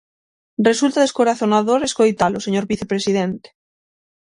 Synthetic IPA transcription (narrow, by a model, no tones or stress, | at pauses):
re̞sult̪aðeskoɾaθonaðoɾeskojt̪aloseɲoɾβiθepɾesið̞ent̪e̥